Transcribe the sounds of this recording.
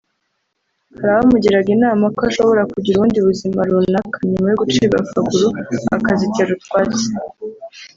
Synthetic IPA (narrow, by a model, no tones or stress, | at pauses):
haɾaβamuɟiɾaɡinaːmakoaʃo̞βo̞ɾakuɟiɾuβuːndiβuzimaɾunakaɲumajoɡut͡ʃiːɡafaɡuɾua̰kaziteɾutwaːt͡se̥